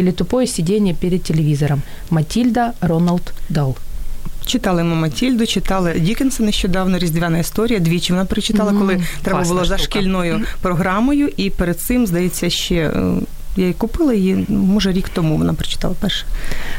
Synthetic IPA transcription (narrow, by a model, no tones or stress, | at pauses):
ilʲɪt̪ʊpɔjɛsʲɪdʲenʲːɐpʲeɾʲɪd̪̚tʲːelʲɪʋʲizɔɾɐmː | ɐtʲilʲd̪ɐrɔnɐlʲd̪d̪ɐlˠt͡ʃɪt̪ɑlˠɪmɛmɐtʲilʲd̪ʊt͡ʃɪt̪ɑlˠɪdʲikʲɪnsɐneʃt͡ʃɔd̪ɑwnɔɾʲizʲd̪ʲʋʲanɐist̪ɔɾʲijɐd̪ʲʋʲit͡ʃɪʋɔnapɾɪt͡ʃɪ̥t̪ɑlˠɐkɔlˠɪt̪ɾɛbɐbʊlˠɔzɐʃkʲilʲnɔjʊpɾɔɦɾɑmɔjʊʔipeɾed̪̚sɪmzd̪ɐjet͡sʲːɐʃt͡ʃɛ̰ | jajikʊpɪlˠɐimɔʒɛɾʲikt̪ɔmuʋɔ̰napɾɪ̥t͡ʃɪ̥t̪ɑ̰lˠɐpɛrʃɛ̥